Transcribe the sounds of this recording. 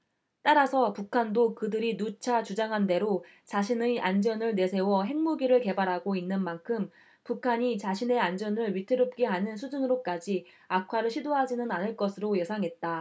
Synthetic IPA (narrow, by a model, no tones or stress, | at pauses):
t͈aɾasʰʌpukʰandokɯdɯɾinut͡ɕʰat͡ɕud͡ʑaŋɦande̞ɾo | t͡ɕaɕʰinɯʔand͡ʑʌnɯɭne̞sʰe̞wʌɦe̞ŋmuɡiɾɯɭke̞baɾɦaɡoinːɯnmankʰɯm | pukʰaɲit͡ɕaɕʰine̞and͡ʑʌnɯɭɥitʰɯɾop̚k͈eɦanɯnsʰud͡ʑunɯɾok͈ad͡ʑi | akʰwaɾɯɭɕʰidoɦad͡ʑinɯnanɯɭk͈ʌsʰɯɾojʌsʰaŋɦe̞t̚t͈a